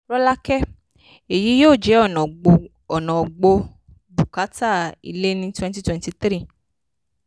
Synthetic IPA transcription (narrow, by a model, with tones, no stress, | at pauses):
ɾɔ˦la˦kɛ˦ | e˨ji˨˦joː˦˨d͡ʒɛ˨˦ɔ˦˨nɔ̃˨ɡ͡bo˧ | ɔ˨nɔ̃˨ɡ͡bo˧ | bu˨ka˨˦ta˦˨ḭ˧le˦nĩ˦twɛ̃˦nti˦twɛ̃˨˧nti˧˦t̪ɾi˦˨